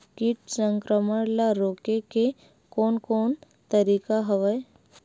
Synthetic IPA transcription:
kiʈsə̃ŋkɾəməɽlaɾoːkeke | kɔːnkoːn | t̪əɾiːkaɦəʋəj

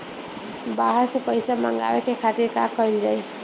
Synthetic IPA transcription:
baɦʌɾspʌjsama̰ŋɡa̰wekekʰat̪iɾkakːʌild͡ʒaj

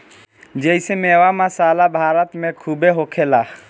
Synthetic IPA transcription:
d͡ʒəɪsemeːwamasaːlabʱaːɾət̪mẽkʰubeɦoːkʰela

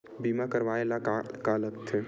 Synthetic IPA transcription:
bimakəɾʋaelakaləkt̪ʰe

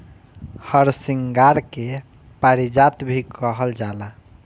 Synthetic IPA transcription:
həɾsiŋɡaɾke | paɾid͡ʒat̪bʱikəɦəld͡ʒala

